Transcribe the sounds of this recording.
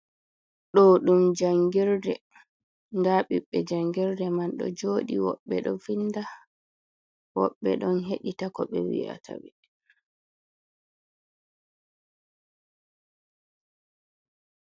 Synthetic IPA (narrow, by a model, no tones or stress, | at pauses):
ɗɔɗumd͡ʒaŋɡiɾdɛ | ndaɓiɓːɛd͡ʒaŋɡɛɾdɛmanɗɔ̰d͡ʒoɗiwɔ̰ɓːɛɗɔfinda | wɔɓːɛ̰ɗɔnɦeɗitakɔɓɛ̰wḭa̰tʰa̰ɓɛ